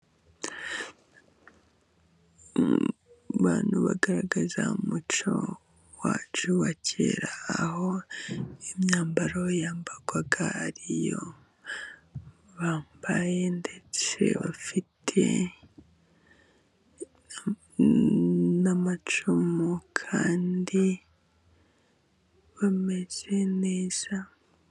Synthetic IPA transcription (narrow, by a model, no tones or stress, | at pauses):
βaːnuβaɡaɾaɡazaumut͡ʃo | waːt͡ʃuβacḛɾaːho̞ | emɲaːmbaɾojaːmbaɡwaɡaːɾijo̞ | βaːmbaje̞nde̞t͡se̞̰βafitʰe̞̰ | namat͡ʃumokʰaːndi | βame̞z̥e̞neːz̥a